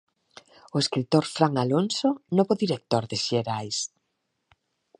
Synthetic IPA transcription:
oeskɾit̪oɾfɾaŋalonsonoβoðiɾek̚t̪oɾðɪʃeɾajs

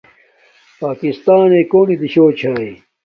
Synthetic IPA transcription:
paːkist̪aːneːkoːnid̪iɕoːt͡ɕʰaːi

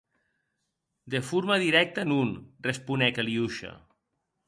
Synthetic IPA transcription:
d̪efuɾmaðiɾɛk̚t̪ənunrespunɛkeliuʃa̰

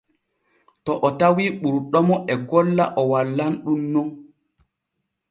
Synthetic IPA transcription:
tɔʔɔtawiːɓuɾɗɔmɔʔɛɡɔlːa̰ʔɔwalːanɗumːɔn

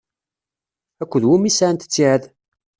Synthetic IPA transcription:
ækʷːəðwumisaʕnt̪ə̥t͡sːiʕəð

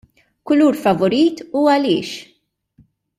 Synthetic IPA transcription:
kʊluːɾfɐvɔɾiːt̪uːɐlɪ̰ːʃ

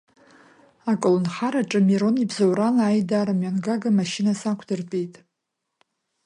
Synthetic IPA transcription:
akʼɨlɨnχaɾaʈ͡ʂʼɨmiɾo̞nibzawɾalajdaɾamɥanɡaɡamaʃinasakʷʰdɨrpʼijtʼ

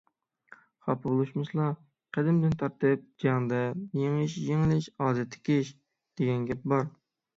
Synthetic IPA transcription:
χɑ̰pʰɨbolˠuʃmɨʃlˠɑ | qʰəd̪ɪmd̪ɪnt̪ʰɑɾt̪ɨp̚d͡ʒɑŋd̪ɛjeŋɪʃjeŋɪlɪʃɑːd̪ɛt̪ʰːɪ̥kʲiʃ | d̪̥eɡʲɛnɡʲɛp̚bɑɾ

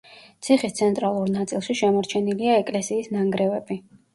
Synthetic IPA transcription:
t̪sʰiχist̪sʰɛnt̪ʼɾalˠuɾnat̪sʼilˠʃiʃɛmɔɾt͡ʃʰɛniliaɛkʼlɛsiːsnaŋɡɾɛvɛb̥i

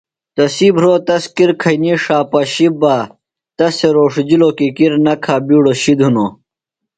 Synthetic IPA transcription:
t̪ɐsiːbɾoːt̪ɐskiɾkʰɐniʂaːpɐɕibaː | t̪ɐseɾoːʂd͡ʑiloːkikiɾnɐkʰaːbiːɽoɕid̪ʱunoː

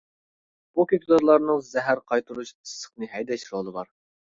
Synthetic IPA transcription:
bukʲekʲd̪oɾlˠɑɾnɨŋzɛɦæɾqʰɑjt̪ʰuɾuʃɨ̥sːə̥χ̚nɨɦɛjd̪ɛʃɾolˠɨbɑ̰ɾ

